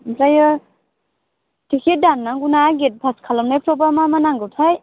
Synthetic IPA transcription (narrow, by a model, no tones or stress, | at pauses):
pɾajɯ | tʰikʰedanːaŋɡunaɡet̚bʰʱaskʰalɔmnajpʰɾɔbamamanaŋɡɯwtʰaj